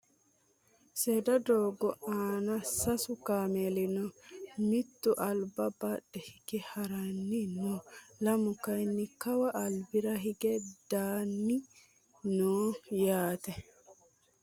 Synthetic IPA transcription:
seːd̪ɐd̪oːɡɔaːnɐsɐsʊkaːmɛlɪnɔmɪt̪ːʊʔɐlbɐbaɗɛhɪɡ̥ɛhɐɾɐnːɪnɔlɐmʊkɐjnːɪkɐwɐʔɐlbɪɾɐɦɪɡɛd̪̥aːnːɪ | noːjaːt̪ɛ

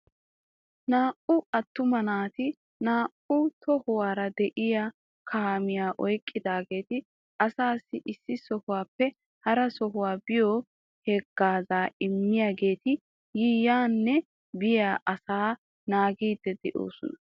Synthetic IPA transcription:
naːʔʊɐt̪ːʊmɐnaːt̪ɪ | naːʔʊt̪ʰɔhʊwaːɾɐd̪ɛʔɪja | kʰaːmɪjaːʔɔjkʼːɪd̪aːɡe̞ːt̪ɪ | ʔɐsaːsːɪʔɪsːɪsɔhʊwaːpːɛ | hɐɾɐsɔɦʊwaːbɪjɔ | hɛɡːaːzaːɪmːɪjaːɡe̞ːt̪ɪ | jijaːnːɛ | bɪjaːʔɐsaː | naːɡiːd̪ːɛd̪ɛʔo̰ːsɔnɐ

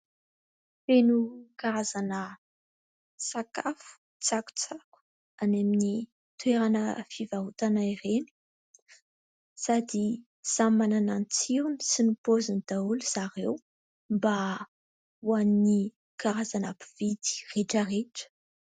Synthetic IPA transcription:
fenukaɾazanə | sakafu̥ | t͡saku̥t͡saku̥ | anamini | t̪uweɾanəfivaɦut̪anaireni̥ | sad̪i | z̥amananant͡siɾunisinipozinid̪̥auluz̥aɾew | mba | uanni | kaɾazanapivid̪i̥reʈ͡ʂəreʈ͡ʂə̥

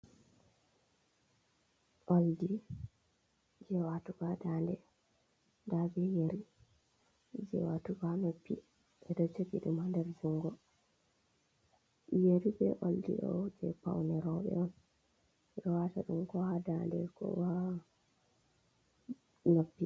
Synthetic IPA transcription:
ʔoldi | d͡ʒɛwatuɡadandɛ | dabɛjeɾi | d͡ʒɛ̰watuɡanopːḭ | ɓɛɗɔt͡ʃokiɗumandɛɾd͡ʒuŋɡɔ | jeɾibɛ̰ʔoldḭɗɔ̰d͡ʒɛ̰pa̰wnɛɾɔɓɛ̰ɔn | ɓɛwataɗumkɔhadandɛkɔ̰wa | nopːi

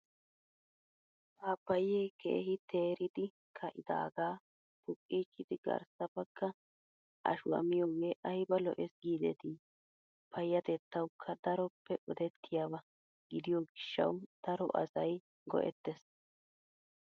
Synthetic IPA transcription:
haːpːɐjeːkḛːhɪt̪ʰeːɾɪd̪ɪ | kʰɐʔɪd̪a̰ːɡaː | pʊkʼːiːt͡ʃːɪd̪ɪɡɐ̰ɾsɐpɐkːɐ | ʔɐ̰ʃʊwɐ̰mɪjɔweʔɐjbɐlɔ̰ʔɛsɡiːd̪ɛt̪ɪ | pʰɐjːɐt̪ɛt̪ːɐwkʰːɐd̪ɐɾɔpʰːɛʔɔd̪ɛt̪ʰːɪjabɐ | ɡɪd̪ɪjɔɡɪʃːɐ̰wd̪̥ɐɾɔ̰ʔɐ̰sɐj | ɡɔ̰ʔɛ̰t̪ːɛs

